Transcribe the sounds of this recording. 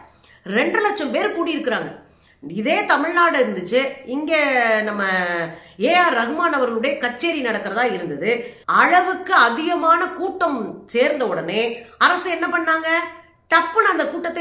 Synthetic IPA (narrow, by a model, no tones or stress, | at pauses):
ɾɛɳɖrɯlɐʈ̚t͡ʃːɐmpeːɾkuːɽijɪɾɯkːɪɾaːŋɡɐ | ɪðeːt̪ɐmɪɻnaːɽɪɾɯnd̪ɯt͡ʃːɯɪŋɡeːnɐmːɐ | eːjaːɾɐɣɯmaːnɐʋɐɾɣɐɭɯɽɐjɐkɐt͡ʃːeːɾinɐɽɐkːɪɾɐðãːɪɾɯnd̪ɐðɯɐɻɐʋɯkːɯɐðɪɣɐmaːnɐkuːʈːɐmseːɾnd̪ɐʊɽɐneːɐɾɐsɯ̃ɛnːɐpɐɳːaːŋɡɐ | ʈɐpːɯnɐnd̪ɐkuːʈːɐt̪ːe